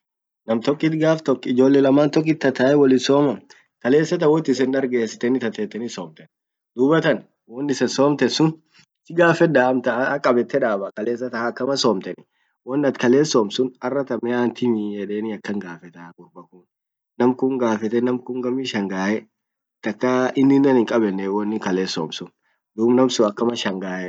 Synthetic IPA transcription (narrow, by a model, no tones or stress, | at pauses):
nɐmt̪ɔkʼːɪt̪ɡaːft̪ɔkːɪd͡ʒo̞ːlːɛlɐmaːnt̪ɔk̬ːɪt̪ːɐt̪aːɛwɔlɪsoːmɐ | kɐle̞ːsːɐt̪ɐwɔt̪ːɪs̬ɛnᶑ̪ɐɾɡe̞ːsːɪ̥t̪ɛnɪt̪ɐt̪ɛːt̪ːɛnɪsoːmt̪ɛn | d̪uːbɐt̪ɐn | wɔnːɪsɛsoːmt̪ɛsʊn | t̪ːɪɡaːfɛd̪aːmt̪ɐkʼɐbɛt̪ːɛᶑaːbɐkɐle̞ːs̬ːɐt̪ɐhakːɐmɐsoːmt̪ɛnɪ | wɔnːɐt̪kɐle̞ːsoːmsʊnɐrːɐt̪ɐmɛaːnt̪ɪmɪjɛᶑeːnɪɐkːɐŋɡaːfɛt̪ɐkʼʊɾbɐkʊn | nɐmkʊŋɡaːfɛt̪ɛnɐmkʊŋɡɐmiʃɐŋɡaːʔɛ | t̪ːɐkːɐɪnːɪnːɐnɪŋkʼɐbɛnːɛwɔnːɪkɐleːsːo̰ːmsʊn | d̪uːbnɐmsʊɐkːɐmɐʃɐŋɡaːʔɛ